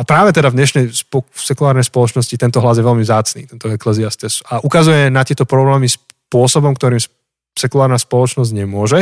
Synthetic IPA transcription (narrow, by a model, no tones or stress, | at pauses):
apɾaːʋɛt̪ɛd̪avd̪ɲɛʃnɛjsɔsɛkulaːɾnɛjspɔlɔt͡ʃnɔscit̪ɛnt̪ɔɦlazjɛʋɛlmivzaːt͡snḭːt̪ɛnt̪ɔɛklɛziast̪ɛsaʔukazujɛnat̪ɪɛt̪ɔpɾɔblɛːmispʊɔsɔbɔmkt̪ɔɾiːms | sɛkulaːɾnaspɔlɔt͡ʃnɔzɟɲɛmʊɔʒɛ